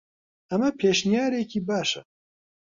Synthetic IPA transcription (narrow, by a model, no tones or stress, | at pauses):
ɐmɐpʰeːʃnijaːɾeːkiːbaːʃɐ